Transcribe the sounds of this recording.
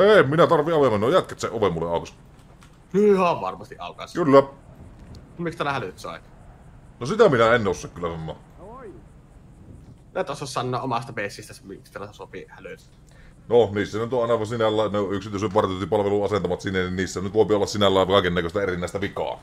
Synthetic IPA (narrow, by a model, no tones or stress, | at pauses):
eˑmminæt̪ɑrʋiʔɑʋemːɑnːojæt̪̚kæt̪seʔʔoʋemːulːeʔɑˑokɑs | ihɑʋʋɑ̰rmɑst̪iʔʔɑ̰ˑokɑskylːæ | mikst̪æːlæhælyt̪sɑ̰ˑet | nosit̪æminæenːosːɑkkylːæsɑnːɑ̰ː | æˑt̪osoˑssɑnːoːʔʔomɑst̪ɑpesːist̪æsemikst̪ælæsopihælys | noniːsːænyt̪oʔɑˑenɑʋɑsinælːæˑːneoʔyksit̪yøsyʋɑrt̪t̪ːipɑlʋeluʔɑsent̪ɑmɑt̪sinːeninniːsːænyt̪ʋoˑepiolːɑssinælːæˑːʋkɑˑekenːækøst̪æerinːˑæˑest̪æʋikɑ̰ː